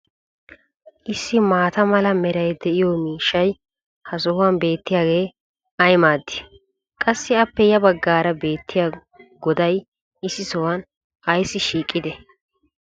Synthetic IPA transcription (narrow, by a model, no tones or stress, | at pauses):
ʔɪsːɪmaːt̪ɐmɐlɐmɛɾɐjd̪ɛʔɪjɔmiːʃːɐj | hɐsɔhʊwɐnbe̞ːt̪ːɪjaːɡe̞ː | ɐjmaːd̪ːɪ̥ | kʼɐsːɪɐpːɛjɐbɐɡːaːɾɐbe̞ːt̪ːɪjaː | ɡɔd̪ɐj | ʔɪsːɪsɔwɐn | ɐjsːɪʃiːkʼːɪd̪ɛ